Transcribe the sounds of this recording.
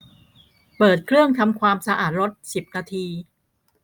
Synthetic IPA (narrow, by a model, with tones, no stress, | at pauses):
pɤː˨˩t̪̚kʰɾɯ˥˩əŋt̪ʰa˧mkʰwaː˧msa˧ʔa̰ː˨˩t̪̚ɾo˦˥t̪̚si˨˩p̚naː˧t̪ʰiː˧